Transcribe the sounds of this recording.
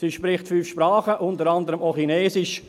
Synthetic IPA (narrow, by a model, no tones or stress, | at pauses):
siʃpɾɪχtfyːfʃpɾɑːχəʔʊntəɾɑndəɾəmoχineːsɪʃ